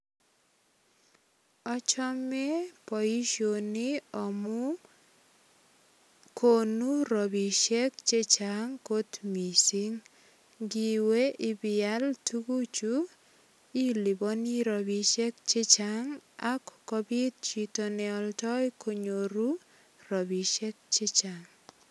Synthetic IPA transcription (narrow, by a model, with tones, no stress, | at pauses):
ɔ˦t͡ʃɔ˦mɛ˦pɔ˨i˦ʃoniɔmʊ | konu˦ɾɔ˨biʃe˦k̚t͡ʃe˦t͡ʃaŋko˦tmi˨siŋ | ɡi˨we˦ʔɪ˨bɪaltuɡu˦t͡ʃu | i˦li˨bɔni˦ɾɔbi˨ʃɛ˦kt͡ʃɪ˦t͡ʃaŋakɔ̥kɔbi˦t̚t͡ʃi˨tonɛɔltɔ˦jkʰo˨ɲoɾu˦ | rɔ˨bi˨ʃɛ˦k̚t͡ʃɪ˦t͡ʃaŋ